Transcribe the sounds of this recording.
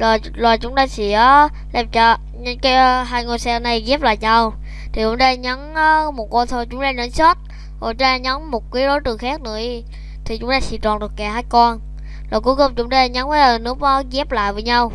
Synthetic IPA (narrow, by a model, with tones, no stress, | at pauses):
zɔ˨˩ | laː˨˩jt͡ɕʊ˨˦ŋ͡mt̪aː˧t͡ɕḭ˧˩˨ | lɛ˨˧˩mt͡ɕɔ˧˩ | ɲa˨˦ka˨˦ɦaː˧jŋo˧˩jsɛ˧na˨˩jɣɛ˦˥p̚la̰ː˧˨jɲa˧w | t̪ʰi˨˩kʊ˨˦ŋ͡mɗe˧ɲa˨˦nː˨˦mo˨˩t̚kɔ˧nt̪ʰo˧jt͡ɕʊ˨˦ŋ͡mla˧nə˧˦sə˦˥t̚ | ho˨˩t͡ɕaː˧ɲa˨˦nmo˨˩t̚ki˨˦ɗo˨˦jt͡ɕɨ˨˩ŋxaː˦˥k̚nɨ̰˧˩˦əi˧ | t̪ʰi˨˩t͡ɕʊ˨˦ŋ͡mt̪aː˧t͡ɕḭ˧˦t͡ɕɔ̰˨˩nɗɨ˨˩ək̚ka˧˩haː˧jkɔ˧n | zɔ˨˩jku˨˦kʊ˨˧˩wŋ͡mt͡ɕʊ˧˦ŋ͡mɗa˧ɲa˨˦nvə˨˦jzəː˨˩nɨ˨˦˥ək̚vɔ˨˦ɣɛ˦˥p̚la̰ː˧˨jvəː˨˦ɲa˧w